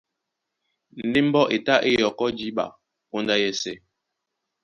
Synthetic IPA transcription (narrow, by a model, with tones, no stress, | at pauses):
ne˦m˦bɔ˦ʔe˨ta˦ʔe˦jjɔ˨kɔ˦d͡ʒi˦ɓa̰˨ | ko˦nda˦jɛ˦sɛ˦